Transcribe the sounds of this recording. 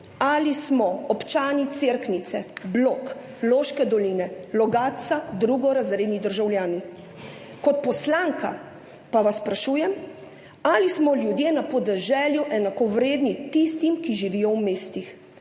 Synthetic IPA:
alismɔɔpt͡ʃaːnit̪seɾknit̪sɛblok | loːʃkɛd̪ɔlinɛlɔɡaːt̪sad̪ɾuɡɔɾazɾeːd̪nid̪əɾʒawljaːni | kɔt̪̚pɔslaːŋka | paʋasːpɾaʃuːjɛm | alismɔljud̪jeːnapɔd̪ɛʒɛːljuʔɛnakɔʋɾeːd̪nit̪ist̪imkiʒiʋijɔwmeːst̪ix

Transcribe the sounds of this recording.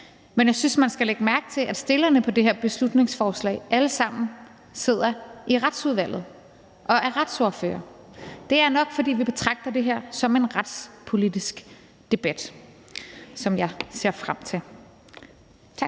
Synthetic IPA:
menjɑ̈ɪsynsmænsɡ̥æleɡ̥əmæɐɡ̥t͡sʰe̝lʔæd̥sd̥e̝lɐnəpʰɒ̽d̥e̝ɦeɐ̰b̥e̝slud̥ne̝ŋsfɒːslɛ̰ɪʔæləsɑ̈m̰n̩ | se̝ð̞̰ˠɐʔiʁad̥suðˠʋæl̰ð̩ˠ | ʔɒ̽ʔæɐʁad̥soɐfø̰ːɐ | d̥e̝æɐnɒ̽ɡ̥fɒ̽d̥ḭːʋib̥e̝t͡sʰʁɑ̈ɡ̥̚d̥ɐd̥e̝ɦeɐ̰sɒ̽me̝nʁad̥spʰo̝lidisɡ̥ | d̥e̝b̥æd̥ | sɒ̽mjɑ̈ɪse̝ɐ̰fʁam̰t͡sʰe̝

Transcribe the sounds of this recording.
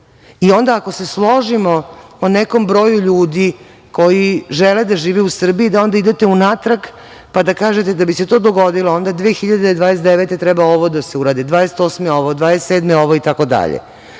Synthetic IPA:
io̞nd̪aako̞se̞slˠo̞ʒimo̞oneko̞mbɾo̞ːjuʎuːd̪i | ko̞jiʒeled̪aʒiːʋeusr̩biid̪ao̞nd̪aid̪e̞t̪e̞unat̪ɾak | pad̪akaːʒet̪e̞d̪abise̞t̪o̞ːd̪o̞ɡo̞d̪iloo̞nd̪ad̪ʋeːxiʎad̪ed̪ʋaːd̪es̬t̪d̪eʋet̪e̞t̪ɾɛbao̞ʋod̪ase̞uɾaːd̪id̪ʋaːd̪eset̪o̞smeo̞ʋod̪ʋaːd̪est̪seːd̪meo̞ʋoit̪ako̞d̪a̰ʎḛ

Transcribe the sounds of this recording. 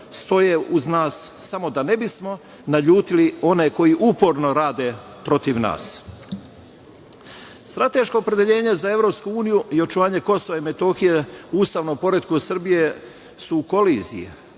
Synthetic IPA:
st̪o̞jeuznaːsːamo̞d̪ane̞bismo̞ | naʎuːt̪ilio̞ne̞ko̞jiʔupoɾno̞ɾaːd̪e̞ | pɾo̞t̪iʋna̰ːs | st̪ɾat̪e̞ʃko̞ːpɾe̞d̪eʎe̞ːɲe̞zae̞ʋɾo̞ːpskuuːnijuio̞t͡ʃuʋaːɲe̞ko̞so̞ʋaime̞t̪o̞xijeuːst̪aːʋnompo̞ɾed̪kusr̩bije̞ | suːko̞liːzijḛ

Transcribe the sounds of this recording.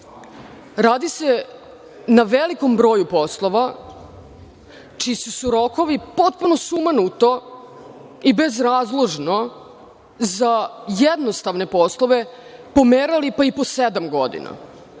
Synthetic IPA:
ɾaːd̪ise̞ | naʋeliko̞mbɾo̞ːjupo̞slˠo̞ʋa | t͡ʃisusuɾo̞ko̞ʋipo̞t̪̚puno̞sumanut̪o̞ | ibe̞zɾaːzlˠo̞ʒno̞ | zajed̪nost̪aʋne̞po̞slˠo̞ʋe̞ | po̞meːɾalipaipo̞sed̪amɡo̞d̪ḭna̰

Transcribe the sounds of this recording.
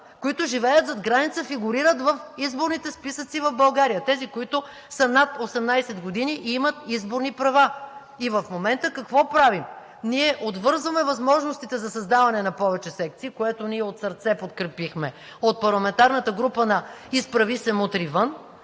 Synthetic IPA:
koit̪ʊʒivɛjət̪zɐd̪ɡɾanit̪səfiɡʊɾiɾət̪vəfizboɾnit̪ɛspisət̪sivɐvbɐlˠɡaɾijət̪ɛzikoit̪ʊ | sənat̪osɛmnajsɛd̪ɡod̪iniʔimɐt̪izboɾnipɾɐva | ivəfmomɛnt̪əkɐkvɔpɾavim | niɛʔod̪vɤɾzvəmɛvɐzmɔʒnost̪it̪ɛzɐsɐzd̪avɐnɛnɐpɔvɛt͡ʃɛsɛkt̪siːkoɛt̪oniɛot̪sɐɾt̪sɛpot̪kɾɛpixmɛ | ot̪̚pɐɾlˠɐmɛnt̪aɾnət̪əɡɾupənɐispɾɐvisɛmot̪ɾivən

